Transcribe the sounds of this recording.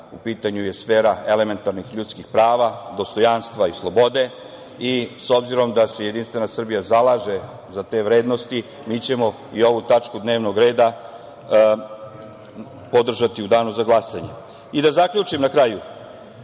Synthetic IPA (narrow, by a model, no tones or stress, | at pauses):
upiːt̪aɲujesfe̞ːɾae̞le̞me̞nt̪aɾnixʎut̪skixpɾaːʋad̪o̞st̪o̞janst̪ʋaislˠo̞bo̞d̪e̞ | iso̞bziɾo̞md̪ase̞je̞d̪inst̪ʋe̞nasr̩bijazalaːʒe̞ | zat̪e̞ːʋɾe̞ːd̪no̞st̪i | miːt͡ɕe̞mo̞ | io̞ʋut̪at͡ʃkud̪ne̞ːʋno̞ɡɾe̞ːd̪a | po̞d̪r̩ʒat̪iud̪aːnuzaɡlˠasaɲe̞ | id̪azakʎut͡ʃimnakɾaju